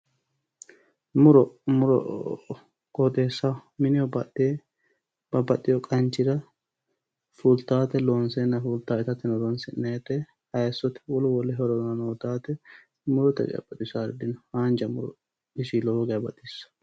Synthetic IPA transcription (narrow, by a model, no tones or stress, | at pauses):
mʊɾɔmʊɾɔ̰ | kɔt̪ʼeːsːamɪnɪjɔbɐe | b̥ɐbɐt̪ʼːɪjɔkʼɐnt͡ʃːɪd̪ɐ | fult̪aːt̪ɛloːnsenːɐfuːlt̪aːɪt̪ɐt̪ːɪnɔlɔnsɪnːet̪ːɛ | hɐjɐsːɔt̪ɛ̥wɔlʊwɔlːɛɦɔɾɔd̪nɐnoːt̪aːt̪ɛ | mʊɾɔt̪ɛ̰ɡ̰ɐ̰bɐt̪ʼːɪsaɾd̪ɪnhaːnd͡ʒɐmʊɾɔ̰ | ɪʃilɔːɡɛɐbɐt̪ʼːɪsːɐ̥